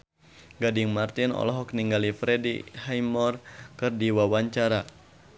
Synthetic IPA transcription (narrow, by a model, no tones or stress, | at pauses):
ɡadiŋmart̪inɔ̰lɔɦɔkniŋɡalifɾɛdḭhajmɔrkɨrdiwawaɲt͡ʃaɾa